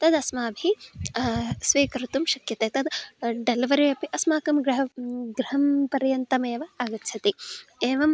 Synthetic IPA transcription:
t̪ɐd̪ɐsmaːbʱi | sʋiːkɐɾɐt̪umʃɐkjɐt̪eːt̪ɐd̪ɖɐlʋɐɾeɐpiʔɐsmaːkɐmɡɾɐɦɡɾɐɦɐmpɐɾjɐnt̪ɐmeːʋɐaɡɐtːt͡ʃʰɐt̪ieːʋɐm

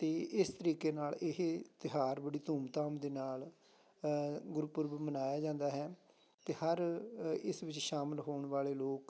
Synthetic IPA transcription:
t̪eːɪst̪əɾiːkeːnaːlɪɦt̪ɪɦaːɾbəɽiːt̪uːmt̪aːmd̪eːnaːl | ɡʊɾpʊɾbmənaːjaːd͡ʒãːnd̪aːɦɛː | t̪eːhəɾɪsʋɪt͡ʃʃaːmɪlɦoːɳʋaːleːloːk

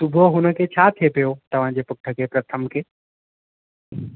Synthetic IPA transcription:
t̪ʊbʱoɦʊnəket͡ɕʰat̪ʰepijot̪ɐʋ̤ãd͡ʑepʊk̚ʈʰːəkepɾət̪ʰəmke

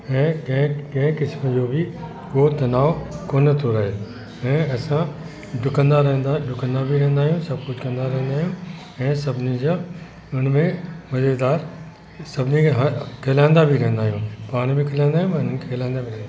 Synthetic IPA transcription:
ɛ̃ːkɐ̃kɐ̃ɦɪ̃kɪsməd͡ʑobʱɪ | koːt̪ɐnaːʋkoːnət̪ʰoɾɐɦe | ɛ̃ːɐsã | ɖʱʊkə̃nd̪aɾɐɦə̃nd̪aɖʱʊkə̃nd̪abʱiɾɐ̃ɦə̃nd̪aːɦijũsɐbkʊd͡ʑʱkɐ̃nd̪aɾɐɦə̃nd̪aːɦijũ | ɛ̃ːsɐbʱɪnid͡ʑa | ʊn̤mẽmɐzed̪aːɾ | sɐbʱɪniɦkʰeːlaːɪ̃nd̪abʱiɾɐɦə̃nd̪aːɦijũːpaːɽ̃bʱikʰɐlãɪ̃nd̪aːijũɛ̃ʊnənkʰeːlaɪ̃nd̪abʱiɾnd̪

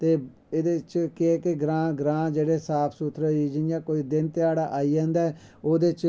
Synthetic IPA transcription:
t̪eː | eːd̪eːt͡ʃkɪːkɪɡɾãːɡɾãːd͡ʒeːɽeːsaːpʰsuːt̪ʰɾəiːd͡ʒɪɪjãːkoːiːd̪ɪnt̪ɪjaːɽaːʔaːiːd͡ʒãːnd̪aː | oːd̪et͡ʃ

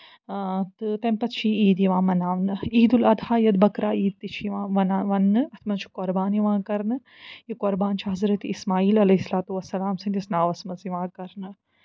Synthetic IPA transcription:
t̪ɨt̪ɐmpɐt̪t͡ʃʰiiːd̪iʋãːmɐnaːʋnɨiːd̪ulɐd̪ʱaːjɐd̪bɐkɾaːiːd̪̚t̪it͡ʃʰʋãːʋɐnaʋɐnːɨɐt̪ʰmɐzt͡ʃʰi̥koɾbaːniʋãːkɐɾnɨ | jikoɾbaːnt͡ʃʰiɦɐzɾɐt̪ismaːiːlɐlɐɦisɐlaːt̪uʋɐsːɐlaːmsɐ̃nt̪isnaːʋɐsmɐziʋãːkɐɾnɨ

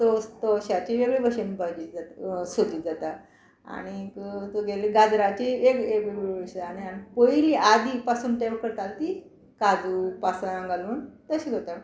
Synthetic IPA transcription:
t̪ost̪oɕat͡ɕieɡɭibʱəɕənipad͡ʑid͡zat̪sod̪iːd͡zat̪a | a̰ɽ̃ikt̪oɡeliɡad͡zɾat͡ɕiekekeɡebəɕeañianipojliʔad̪ʱipasuːnʈamkəɾt̪alt̪i | kad͡zupasaãŋɡaluːnt̪əɕiɡot̪a

